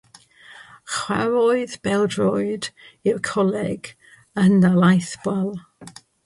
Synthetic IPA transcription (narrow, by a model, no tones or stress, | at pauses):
χwa̰ɾɔɨðbɛlˠdrɔjdɪrkʰɔlɛɡ̥ | ənːalajθb̥walˠ